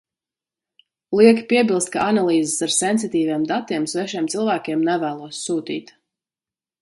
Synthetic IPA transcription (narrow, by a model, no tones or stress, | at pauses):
lˠiɛkʲpiɛbilˠst̪̚kaʔanalˠiːzesaɾsɛns̬it̪iːviɛmd̪at̪iɛmsvɛʃiɛmt̪silˠvæːkʲeɛmnɛvæːlˠuɔsːuːt̪ḭːt̪